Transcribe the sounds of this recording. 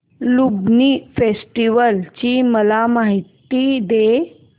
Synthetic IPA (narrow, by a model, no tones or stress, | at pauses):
lubnifesʈiʋəlt͡ɕiːməlamaɦit̪id̪e